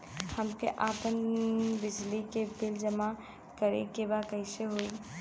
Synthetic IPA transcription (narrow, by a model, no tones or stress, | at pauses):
həmkeʔapənbid͡ʒlikebild͡ʒəma | kəɾḛkebakəɪseɦoj